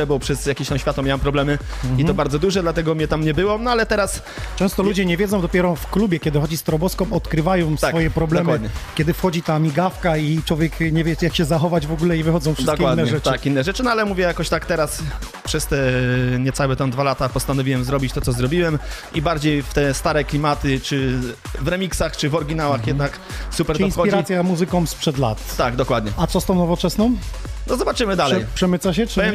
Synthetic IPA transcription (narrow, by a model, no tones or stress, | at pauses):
ɛbɔwpʂɛsjakʲiɕt̪amɕfʲjat̪ɔmʲawɛmpɾɔblɛmɘ | iɔbaɾd̪zɔd̪uʐɛd̪lat̪ɛɡɔmʲɲɛt̪amɲɛbɘwɔnɔalɛt̪ɛɾas | t͡ʂɛ̃w̃st̪ɔlud͡ʑɛɲɛvʲjɛzɔ̃w̃d̪ɔpʲɛɾɔfklubʲjɛkʲɛd̪ɘxɔd͡ʑist̪ɾɔbɔskɔ̃mɔt̪kɾɘvajɔ̃w̃sakfɔjɛpɾɔblɛmwd̪ɲɛkʲjɛd̪ɘfxɔd͡ʑit̪amʲiɡafkait͡ʂwɔvʲjɛkɲɛvʲjɛjakɕɛzaxɔvad͡ʑvɔɡulɛivɘxɔd̪zɔ̃w̃fʂd̪kʲɛwad̪ːɛɲɛʐɛt̪akinːɛʐɛt͡ʂɘnɔalɛmuvʲjɛjakɔɕt̪akt̪ɛɾas | pʂɛst̪ɛɲɛt̪sawɛt̪ɛ̃w̃d̪valat̪apɔst̪anɔvʲiwɛmzɾɔbʲit͡ɕt̪ɔt̪sɔzɾɔbʲiwɛmibaɾd͡ʑejft̪ɛst̪aɾɛklʲimat̪ɘt͡ʂɘvɾɛmʲiksaxt͡ʂɘvɔɾɡʲinawaxjɛd̪nak | supɛɾd̪ɔĩnsɔiɾat̪sʲjamuzɘkɔ̃w̃spʂɛd̪la̰t̪t̪aɡd̪ɔkwad̪ɲɛat̪sɔst̪ɔ̃w̃nɔvɔt͡ʂɛsnɔ̃w̃nɔzɔbat͡ʂɘmɘd̪alɛjpʂɛmɘt̪saɕ̬ɛɛ